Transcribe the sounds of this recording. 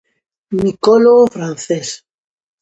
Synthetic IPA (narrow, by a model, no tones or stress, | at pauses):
mikoloɣofɾan̟θes